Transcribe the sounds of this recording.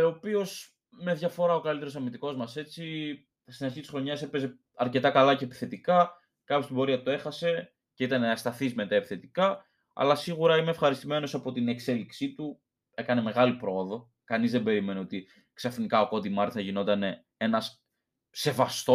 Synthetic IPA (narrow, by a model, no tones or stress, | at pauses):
opio̞s | me̞ðʝɐfo̞ɾɐo̞kɐlit̪eɾosɐmit̪iko̞zmɐse̞t͡si | ɐst̪inɐɾçit̪i̥sxɾo̞ɲɐse̞peze̞ | ɐɾce̞t̪ɐkɐlɐce̞pi̥θe̞t̪ikɐ | kɐpçost̪ibo̞ɾiɐt̪ue̞xɐse̞ | ce̞it̪ɐneɐst̪ɐθizmet̪ɐepi̥θe̞t̪ikɐ | ɐ̰lɐsiɣuɾɐime̞ːfxɐɾist̪ime̞no̞sɐpo̞t̪ine̞kse̞liksit̪u | e̞kɐne̞me̞ɣɐlipɾo̞oðo̞ | kɐnizðebe̞ɾime̞neo̞t̪i | ksɐfnikɐo̞ko̞t̪imɐɾt̪θɐʝino̞t̪ɐne̞ | e̞nɐs | se̞vɐst̪o